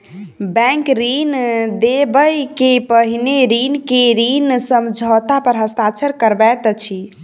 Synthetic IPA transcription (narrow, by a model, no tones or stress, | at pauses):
bɛ̃ŋkɾind̪ebəjkepəɦineɾinkeɾinsəmd͡ʒʱɔt̪apəɾɦəst̪at͡ʃʰəɾkəɾbɛt̪t͡ʃʰi